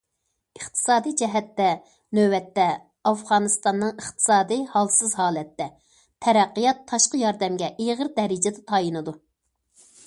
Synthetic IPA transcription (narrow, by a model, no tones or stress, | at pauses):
əχt̪ʰɨ̥sɑːd̪ijd͡ʒɛɦɛt̪ːɛ | nøwɛt̪ːɛ | ɑfʁɑːnɨst̪ɑnːɨŋəχt̪ʰɨ̥sɑːd̪ɨhɑlˠsɨzhɑːlˠɛt̪ːɛ | t̪ʰɛɾæqːijɑt̪ʰːɑʃqəjɑɾd̪ɛmɡʲɛʔeʁəɾd̪ɛɾɪd͡ʒɛd̪ɛt̪ʰɑjinɨd̪u